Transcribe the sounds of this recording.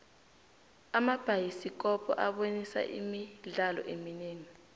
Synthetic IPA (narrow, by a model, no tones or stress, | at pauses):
amab̥ʱajisik̬ʼɔpʰɔ̰ʔaɓonisa̰ʔḭmiɮalɔ̰ʔemineːŋi